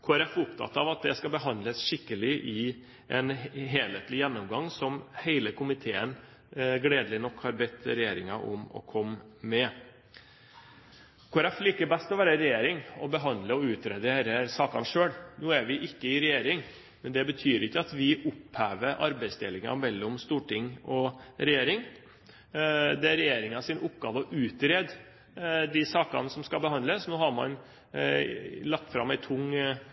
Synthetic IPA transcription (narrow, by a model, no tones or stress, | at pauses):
kʰɔɾɛfʊpt̪ʰɑ̰t̪ːɑʋɑt̪̚d̪ɛskɑbəɦɑnd̪ləsʂɪkːəlɪʔɪ | ʔɛnɦeːleːt̪lɪjɛnːʊmɡɑŋsɔmhæɪləkʊmɪt̪ʰeːən | ɡɽeːd̪əlɪnɔkːhɑɾbɛt̪ːɾɛjeːɾɪŋɑʔɔ̰mɔ̰kʰɔmːɛ | kʰɔːɾɛfliːkəbɛst̪ɔʋæːɾəɾɛjeːɾɪŋɔbəɦɑnd̪ləɔʉːt̪ɾɛd̪eːɾəsɑːkɑnʂøːɽnuːæɾʋɪʔɪkːəɪɾɛjeːɾɪŋ | mɛnd̪ɛbət̪ʰyːɾɪkːəɑt̪ʋɪʔʊphæːʋəɾʔɑ̰ɾbæɪst̪ʰeːlɪŋɑ̰mɛlːɔmst̪uːʈɪŋːɔɾɛjeːɾɪŋ | d̪ɛæɾɛjeːɾɪŋɑsɪnʔʊpɡɑːʋɔʔʉːt̪ɾeːd̪ | d̪ɪsɑːkɑ̰nsɔmskɑbəhɑnd̪ləsnoːhɑɾmɑ̰n | lɑk̚t̪fɾɑmæɪt̪ʰʊŋ